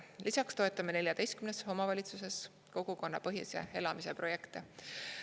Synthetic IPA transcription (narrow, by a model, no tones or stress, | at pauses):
lisɑkst̪o̞et̪ːˑɑmene̞lʲjɑd̪e̞jst̪kymnesho̞mɑvɑlʲit̪suse̞s | ko̞ɡ̥uko̞nːɑpɤɦjṵsḛe̞lɑmise̞pɾro̞je̞kt̪e